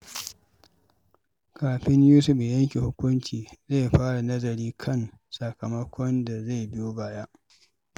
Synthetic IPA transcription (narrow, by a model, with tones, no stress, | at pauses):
kʰaː˨ɸɪ˦ɲjuː˦sʊ˦ɸjɐ˦ŋkʲe˨hʊ˦kʷʊ˦nt͡ʃiː˨ze˦˨ɸaː˦ɽa˨nɐ˦zɐ˨ɾiː˦kʰɐ˦˨n | sɐ˨kɐ˨mɐ˦kʷʰɔ˦nda˨ze˦˨jbɪ˦jo˦baː˦jaː˦ʔ